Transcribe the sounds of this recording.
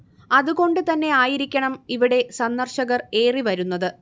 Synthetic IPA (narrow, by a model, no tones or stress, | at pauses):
ɐðuɣo̞ɳɖɨt̪ɐnːe̞aːjiɾikʲːɐɳɐmiʋiɽe̞sɐnːɐrɕɐɣɐre̞ːriʋɐɾunːɐðɨ